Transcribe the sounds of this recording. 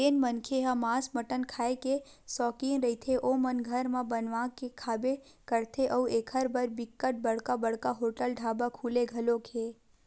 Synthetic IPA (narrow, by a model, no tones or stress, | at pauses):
eːnmənkʰeɦamasməʈənkʰaːeke | sɔːkiːnɾəit̪ʰeʔomənɡʱəɾmãbənʋãkekʰaːbekəɾt̪ʰeʔəueːkʰəɾbəɾbɪkːəʈ̚bəɽ̤kabəɽkaɦoːʈəlɖʱaːbakʰuːleɡʱəlokʰe